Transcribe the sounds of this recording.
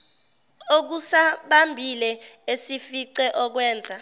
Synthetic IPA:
ok̬usaɓambʱilɛesifiǀɛʔɔk̬wɛːnd͡zʱa

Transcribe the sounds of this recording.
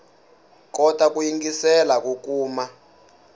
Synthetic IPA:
kɔtʼak̬ujiŋɡisɛlak̬ukuːma

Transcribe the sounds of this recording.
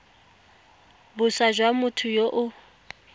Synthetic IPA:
bʊsaʒwamʊtʰʊjoʔʊ

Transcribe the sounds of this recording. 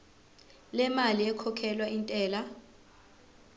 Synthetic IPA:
lɛmaliɛkʰɔkʰɛlwaintʼɛːla

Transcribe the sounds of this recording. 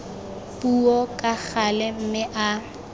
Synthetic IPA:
pʼuɔkʼak͡xalɛm̩mɪʔa

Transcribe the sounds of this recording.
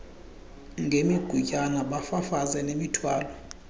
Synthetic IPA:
ŋɡʱemiɡ̥ʱucʼanaɓafafazɛnemitʰwaːlɔ

